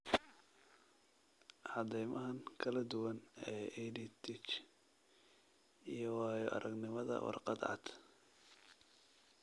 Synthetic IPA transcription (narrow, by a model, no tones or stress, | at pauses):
ʕɑd̪ɛjmɐɦɐŋkʰɐlɐd̪ʊwɐnɛːʔɛdit̪ʰɪt͡ʃ | ijɔwɑːjɔʔɐ̰ɾʔɐɡnɪmɐðɐ̰wɑ̰rqɑd̪ʕɑ̰d̪̥